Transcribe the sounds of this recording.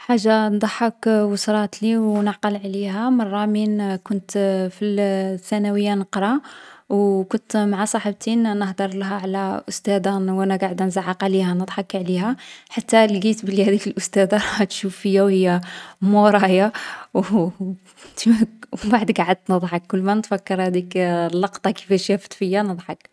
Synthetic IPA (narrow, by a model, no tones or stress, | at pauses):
ħaʒːand̪ˤħəkwəsɾˤɑt̪liwnəʕqəlʕlihæmɑrˤːɑminkʊnt̪filθænæwəjːanəqɾˤɑwkʊnt̪maʕasˤɑħəb̚t̪innəhd̪əɾˤləɦæʕlæʔʊst̪æd̪æwʔænæɡaʕəd̪ænzaʕːɑqʕlihænəd̪ˤħɑkʕlihæħat̪ːælɡit̪blːihæd̪ikəlʔʊst̪æd̪aɾˤɑt̪ʃufːəjːæwhəjːæmoɾˤɑjaw | t̪imæbaʕəd̪ɡaʕəd̪̚t̪nəd̪ˤħɑkːʊlːmænət̪fækːəɾˤhæd̪iklːɑqt̪ˤɑkə̥fæʃæfə̥t̪fəjːænəd̪ˤħɑk